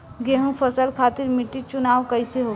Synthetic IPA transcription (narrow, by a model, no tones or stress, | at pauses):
ɡeːɦũpʰəsəlkʰaːt̪ɪɾmɪʈːit͡ʃʊnaːʋkəɪseɦo